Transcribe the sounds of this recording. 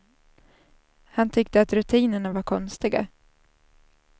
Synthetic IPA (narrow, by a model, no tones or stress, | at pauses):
hant̪ʰʏkt̪əat̪ɾɵt̪ʰiːnəɳavaɾkʰɔnst̪ɪɡa̰